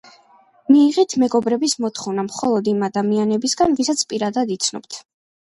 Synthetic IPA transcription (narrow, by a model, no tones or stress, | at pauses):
miːʁit̪ʰmɛɡɔbɾɛbismɔt̪ʰχɔvnamχɔlˠɔd̪imad̪amianɛbisɡanvisat̪sʰpʼiɾad̪ad̪it̪sʰnɔ̰bt̪ʰ